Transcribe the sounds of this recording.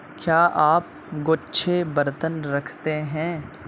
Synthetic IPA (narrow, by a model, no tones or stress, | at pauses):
kjaːʔaːp̚ | ɡoːtːʃʰebɐɾt̪ənɾɐkʰt̪eɦɛ̃ː